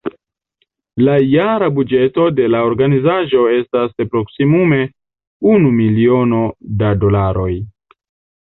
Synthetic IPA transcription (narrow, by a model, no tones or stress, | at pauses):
lajaɾabud͡ʒe̞to̞de̞laoɾɡanizaʒo̞e̞staspɾo̞ksimume̞ | unumilio̞no̞dado̞laɾo̞j